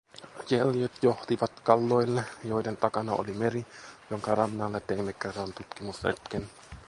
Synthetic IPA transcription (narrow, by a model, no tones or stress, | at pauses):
jeljot̪joht̪iʋɑt̪kɑlːoilːejoident̪ɑkɑnɑo̰limerijoŋkɑrɑmːɑlːet̪emekːɑrɑnt̪ut̪kimusḛt̪ken